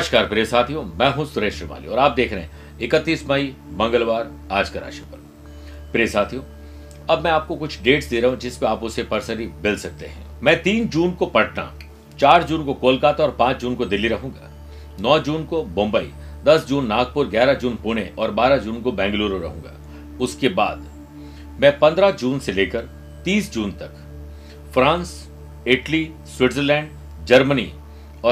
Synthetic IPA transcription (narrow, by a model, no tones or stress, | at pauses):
ʃkaːɾpɾeːsaːt̪ʰijõmɛ̃ːɦũsʊɾeːʃɾəma̰ːlḭɔːɾaːp̚d̪eːkʰɾɐɦɛ̰̃ | ɪkət̪ːiːsmɐi | mɐ̃ŋɡəlʋaːɾ | aːd͡ʒkɐɾa̰ːʃepɐɾ | pɾeːsaːt̪ʰijõː | ɐbmɛ̃aːp̚kokʊt͡ʃʰɖeːʈsd̪eɾɐɦũd͡ʒɪspeaːpʊsepɐɾsəɾibɪlsɐk̚t̪ḛɦɛ̰̃ːmɛ̃ːt̪iːnd͡ʒuːnkopɐʈna̰ | t͡ʃaːɾd͡ʒuːnkokoːlkaːt̪ɔːɾpãːt͡ʃʰd͡ʒuːnkod̪ɪlːiɾɐɦũːŋɡa̰ː | nɔːd͡ʒuːnkomõːmbəḭ | d̪ɐsd͡ʒuːnːaːɡ̚pʊɾɡɛːɾad͡ʒuːnpuɽ̃eʔɔːɾbaːɾad͡ʒuːnkobɛ̃ːŋɡluːɾoɾɐ̰ɦũːŋɡa̰ː | ʊskebaːd̪ | mɛ̃ːpɐ̃nd̪ɾad͡ʒuːnseleːkəɾ | t̪iːsd͡ʒuːnt̪ɐk | fɾãːns | ɪʈli | swɪʈzəlɛ̃ːɳɖ | d͡ʒɐɾmənḭ | ɔː